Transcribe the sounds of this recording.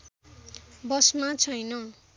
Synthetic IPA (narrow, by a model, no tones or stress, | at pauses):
bʌsmat͡sʰʌjnʌ